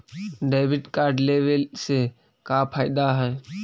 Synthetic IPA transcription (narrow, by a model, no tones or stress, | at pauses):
ɖeːʋɪɖkaːɾɖleːʋelse | kaːpʰaːɪd̪aɦɛː